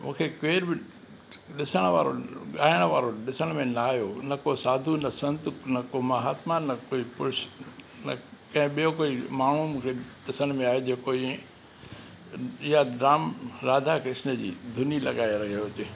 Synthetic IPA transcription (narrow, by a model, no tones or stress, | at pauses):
mũːkʰekeːɾbɪ | ɗɪsəɽ̃ʋa̰ːɾo̰ɠaːɪɽ̃ʊʋaːɾoɗɪsəɽ̃mẽnaaːɦjonɐkosaːd̪ʱunɐsɐ̃nt̪ʊnɐkomɐɦaːt̪manɐkoːipʊɾʃ | nɐ̰kɐ̃ɦɪ̃ɓijokoːimaːɳ̤ũmũːkʰeɗɪsəɽ̃mẽaːjod͡ʑeːkoĩ | ɪɦaɖɾaːmɾaːd̪ʱakɪʃnəd͡ʑḭːd̪ʱʊnilɐ̰ɠaːeɾɐɦiot͡ɕe